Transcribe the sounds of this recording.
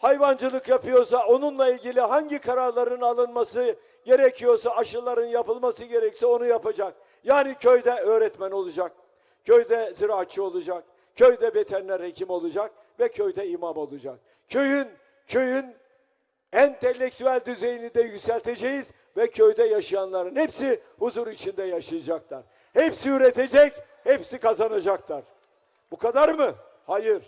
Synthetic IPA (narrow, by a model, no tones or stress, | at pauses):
hajvand͡ʒɯlˠɯkjapʰɯjo̞ɾs̬ao̞nunlˠailʲɟilʲiɦaɲɟikʰaɾaɾlˠaɾɯnalˠɯnmasɯ | ɟe̞ɾɛcʰijo̞ɾsaaʃɯlˠaɾɯnjapɯlˠmasɯɟe̞ɾɛcsio̞nujapad͡ʒak̚ | jaːnicʰøjd̪ɛøːɾɛt̪mæno̞lˠud͡ʒak̚ | cʰøjd̪ɛziɾaat͡ʃʰːɯo̞lˠud͡ʒak | cʰøjd̪ɛbet̪ʰænlʲɛɾecʰimo̞lˠud͡ʒak̚ | vɛcʰøjd̪ɛimamo̞lˠud͡ʒak̚ | cʰø̞jyn | cʰø̞jyn | ɛnt̪ʰelʲːec̚t̪ʰyælʲd̪yze̞jinid̪ɛjycʲsælʲt̪ʰe̞d͡ʒejiz | vɛcʰøjd̪ɛjaʃɯjanlˠaɾɯnhepsi | huzuɾit͡ʃʰind̪ɛjaʃɯjad͡ʒaklˠaɾ | hepsiyɾet̪ʰe̞d͡ʒɛc | hepsikazanad͡ʒaklˠaɾ̥ | bukʰad̪aɾmɯ | hajɯɾ̥